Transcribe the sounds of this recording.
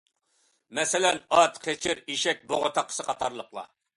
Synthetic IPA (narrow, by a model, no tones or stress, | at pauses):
mɛsɪlɛnɑt̪qʰet͡ʃʰɪɾiʃɛk̚ʲboʁət̪ʰɑqʰːə̥sɨqʰɑt̪ʰɑɾlˠəqlˠɑ̰